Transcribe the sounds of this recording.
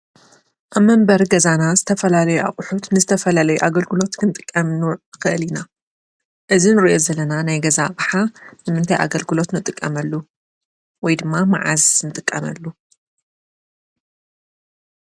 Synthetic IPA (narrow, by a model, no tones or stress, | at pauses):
ʔaβmɐmbɐɾɡɐzanazɨt̪ʰɐfɐlalɐjuʔa̰χʼʊħut̪nɨzɨt̪ʰɐfɐlalɐjuʔaɡɐlɡɨlo̞t̪nɨnt̪ʼɨkʼːɐmnɨxɨʔɨlina | ʔɨzinɨɾiʔo̞zɐlɐnanajɡɐzabħanɨmɨnt̪ʰajʔa̰ɡɐlɡɨlo̞t̪nɨt̪ʼɨkʼːɐmɐlːu | wɔjd̪ɨmːamaʕa̰znɨt̪ʼɨkʼːɐmɐlːu